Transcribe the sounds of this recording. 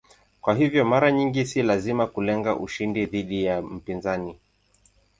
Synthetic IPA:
kwaɦivjɔmaɾaɲiŋɡisilazimakulɛŋɡaʔuʃindiðiɗijam̩pinzani

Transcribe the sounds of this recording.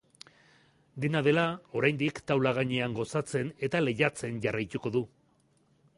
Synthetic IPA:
d̪enað̞e̞lao̞ɾajnd̪ikt̪awlaɣaɲe̞aŋɡo̞sat͡se̞ne̞t̪ale̞ʝat͡se̞nʝarajt̪uko̞ðu

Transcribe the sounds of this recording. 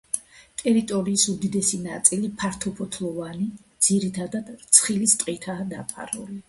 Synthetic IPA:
t̪ʼɛɾit̪ʼɔɾiːsud̪id̪ɛsina̰t̪sʼilipʰaɾt̪ʰɔpʰɔt̪ʰlˠɔvanid̪z̥iɾit̪ʰad̪ad̪̥t̪sʰχilist̪ʼqʼit̪ʰaːd̪apʰa̰ɾṵli

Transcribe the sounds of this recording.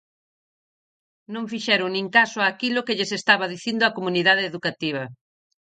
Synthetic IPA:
nõŋfiʃɛɾʊŋnĩŋkasoaːkilʊkɪʎesest̪aβɐðiθind̪ʊakomuniðaðeːðukat̪iβ̞ɐ

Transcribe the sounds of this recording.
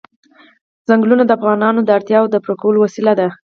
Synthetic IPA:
z̥aŋɡlunad̪əafɣɑnɑnod̪əaɾt̪jɑwd̪əpɾokawəlowasilad̪a

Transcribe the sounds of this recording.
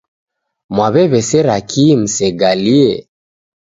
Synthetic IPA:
mwaβɛβɛsɛɾakʰim̩sɛɡaliɛ

